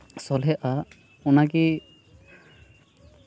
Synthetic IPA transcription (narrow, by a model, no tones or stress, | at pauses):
sɔlɦɛʔa | unaɡi